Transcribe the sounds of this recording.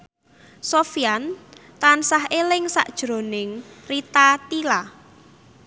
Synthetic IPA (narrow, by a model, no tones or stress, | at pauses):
sofiant̪ansaɦelɪŋsa̰ʔd̥ʒ̥ɾo̤nɪŋrit̪at̪ila